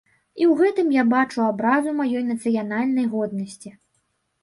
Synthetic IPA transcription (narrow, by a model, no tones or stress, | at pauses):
iwɣɛt̪ɨmjabat͡ʂuabɾazumajɔjnɐt̪sɨjanalʲnɐjɣɔd̪̚nɐsʲt͡sʲi